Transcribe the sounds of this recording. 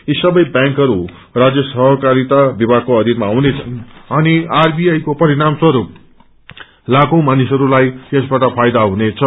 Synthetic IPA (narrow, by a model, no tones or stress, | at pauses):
isʌbʌjbjãŋkɦʌɾu | rad͡zjʌsʌɦʌkaɾit̪abibʱaɡkoʌd̪ʱinmaːwnet͡sʰʌnʌniarbiajkopʌɾiɾamswʌɾup | lakõw̃manisʌɾulajt̪esbaʈʌpʰajd̪aɦunet͡sʰʌ